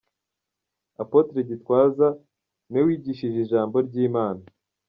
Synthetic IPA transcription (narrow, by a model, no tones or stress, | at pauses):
apo̞tɾeɟitkwaːza | newiːɟiʃiʒiʒaːmbo̞ɾɟiːmaːna